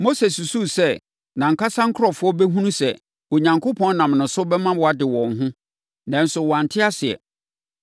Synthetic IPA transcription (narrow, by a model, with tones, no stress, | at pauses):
mo˦se˨su˨su˦sɛ˦ | nã˨ŋ̩˨kʰa˦sã˦ŋ̩˦kʰʊ˦ɾɔ˨fʊ˦ɔ˦bɛ˦ɦũ˦nũ˦sɛ˨ | o˨ɲã˨ŋkʰo˦pʰɔ̃˦n˦nã˨mnʊ̃˨sʊ˦bɛ˦mã˦wɔ˨a˨dɪ˨wɔ̃˨n˨ɦʊ̃˦ | nã˨n˦sʊ˨wɔ˨a˨n̩˨tʰɪ˦a˦sɪ˨ɛ̰˨